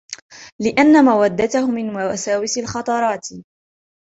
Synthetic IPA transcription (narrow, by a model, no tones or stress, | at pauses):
lɪʔanːamawad̪ːat̪ahʊmːɪnmawasaːwɪsalxɑt̪ˤɑɾˤɑːt̪